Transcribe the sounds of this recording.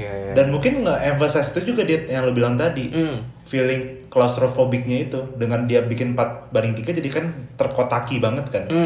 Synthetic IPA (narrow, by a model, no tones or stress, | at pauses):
danmuŋkɪnŋəʔɛnfasajst̪ud͡ʒuɡadit̪̚jaŋlobilaŋt̪adifilɪŋklɔst̪ɾofobɪk̚ɲait̪udəŋandiabikɪnpat̪̚baɾɪŋt̪iɡad͡ʒadikant̪ərkot̪akibaŋət̪̚kan